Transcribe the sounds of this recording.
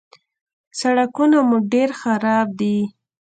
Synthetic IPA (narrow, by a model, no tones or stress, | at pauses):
saɽakunamuɖeɾxaɾɑb̚d̪i